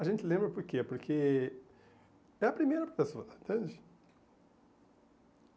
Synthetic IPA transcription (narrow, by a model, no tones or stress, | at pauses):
ɐʒẽnt͡ʃ̪ɪlẽmbɾɐpoɾkepoɾkʰe | ɛɐpɾimejɾɐpɾɐpesoɐẽnt̪ẽnd͡ʒɪ̥